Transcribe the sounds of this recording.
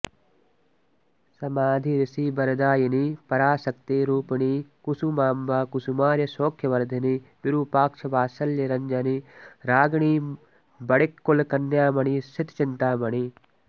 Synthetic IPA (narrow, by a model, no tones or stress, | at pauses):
sɐmaːd̪ʱiɾɪsiːbɐɾd̪aːjinipɐɾaːsɐkt̪eːɾuːpiɳikusumaːmbaːkusumaːɾjɐsoːkʰjɐʋɐɾd̪ʱɐnibɪɾuːpaːkʃʰɐʋaːsɐljɐɾɐɲd͡ʒɐniɾaːɡɳ̃iː | bɐɽikːolkɐnːjaːmɐɳisʰɪt̪t͡ʃɪnt̪aːmɐɽ̃iː